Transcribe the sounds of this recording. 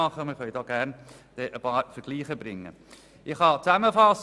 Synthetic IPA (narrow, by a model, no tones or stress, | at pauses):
ɑχənmɪχœʏdɔːɡ̥æɾn | d̪̥ɛʔəpɑːɾfəɾɡ̥liːχəbɾɪŋːə̰ | ɪχhɑt͡sæməfɑs